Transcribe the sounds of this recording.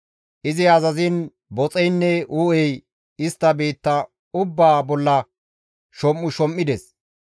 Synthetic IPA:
ʔɪzɪɐzɐzɪn | bɔt͡sʼɛjnːɛʔuːɛj | ɪst̪ːɐbeːt̪ːɐ | ʊbːaːbɔlːɐ | ʃɔmːʊʃɔmːɪd̪ɛs

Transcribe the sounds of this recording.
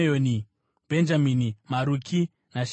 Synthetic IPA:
oni | b̥ʱend͡ʒaminimaɾukʰi | naʃ

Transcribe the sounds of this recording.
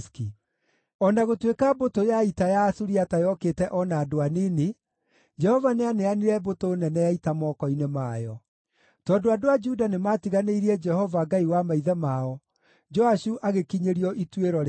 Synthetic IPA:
ski | ɔnaɣotwekabotojaitajaːsuɾiatajɔketɛʔɔnaːdoaniːne | d͡ʒɛhɔvaneaneaniɾɛbotoːnɛnɛjaitamɔːkɔinemaːjɔ | tɔːndoadoad͡ʒudanematiɣaneiɾiɛd͡ʒɛhɔvaɡaiwamaiðɛmaɔ | d͡ʒɔaɕuʔaɣekiɲeɾiɔʔitweɾɔɾ

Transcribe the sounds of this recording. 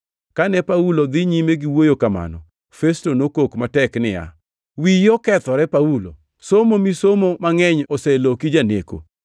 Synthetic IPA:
kanɛpaulod̪ɪɲimeɡiwojokama̰nɔ̰ | festonokokmatɛknɪja̰ | wijɔkɛt̪ɔɾɛpaulo̰ | somomisomomaŋɛɲɔsɛlokid͡ʒaneko̰

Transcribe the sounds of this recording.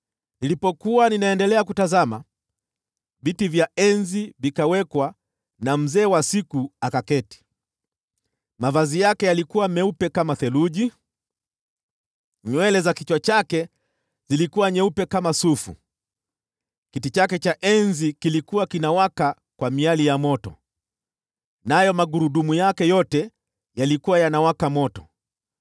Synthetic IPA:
nilipɔkuwaninaɛndɛlɛak̬utazama | vitivjaɛnzivikawɛkwa | nam̩zɛːwasikuakakɛti̥ | mavazijakɛjalikuwamɛupɛkamaθɛluʄi | ɲwɛlɛzakit͡ʃwat͡ʃakɛ | z̥ilikuwaɲɛupɛkamasufṵ | kitit͡ʃakɛt͡ʃaʔɛnzikilikuwakinawaka | kwamialijamɔtɔ̰ | najɔmaɠuɾuɗumujakɛjɔtɛ | jalikuwajanawakamɔtɔ̥

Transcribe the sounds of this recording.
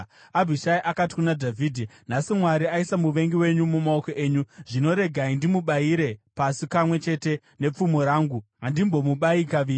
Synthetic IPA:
abʱiʃaiʔakati̥kunadʱavʱiːdʱenasimwaɾiaisamuʋe̞ŋɡiwe̞ɲumumaoko̞ʔe̞ːɲuʐino̞ɾe̞ɡʱaindimuɓaiɾe̞pasipamwe̞t͡ʃe̞te̞ | ne̞p͡fumoɾaːŋɡuɦandimbo̞muɓaikaʋiːi

